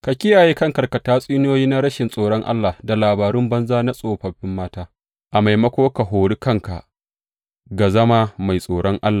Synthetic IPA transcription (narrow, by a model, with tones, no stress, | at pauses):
ka˨kʲɪ˦jaː˨jeː˦kɐ˦ŋkɐ˨rkɐ˨taː˦sʼiː˦n˦oː˦jiː˦na˦ɾɐ˦ʃɪ˨nsʼoː˨ɽɔ˦ŋʔa̰˦lːa˨da˨laː˨baː˨ɾʊ˦mbɐ˦nzaː˦na˦sʼoː˨ɸɐ˨ɸɪ˦mːaː˦taː˦ | ʔa˨ma˨jmɐ˦kʷoː˦ka˨ɦoː˨ɽi˦kɐ˦ŋka˨ʔ | ɡa˨zɐ˦maː˦ma˨jsʼoː˨ɽɔ˦ŋʔa˦lːa˨